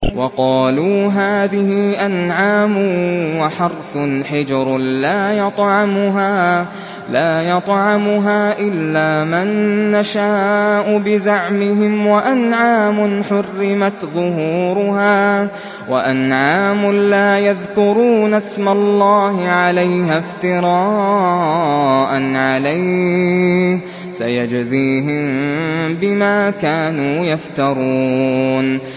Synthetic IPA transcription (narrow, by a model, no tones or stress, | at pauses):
wʔɑqɑːluːɦaːðɪhɪʔanʕaːmʊwaħɑɾˤθʊnħɪd͡ʒɑɾlaːjɑt̪ˤʕɑmʊɦaː | laːjɑt̪ˤʕɑmʊɦaːʔɪlːaːmanːaʃaːʔʊbɪzaʕmɪɦɪmwaʔanʕaːmʊnħʊrːɪmat̪ðˤʊɦuːɾʊhaː | wa̰ʔanʕaːmʊlaːjaðkʊɾuːnasmalːɑːhɪʕalajhaft̪ɪɾˤɑː | ʔanʕalaj | sa̰jad͡ʒziːɦɪmbɪmaːkaːnuːjaft̪ɑɾˤuːn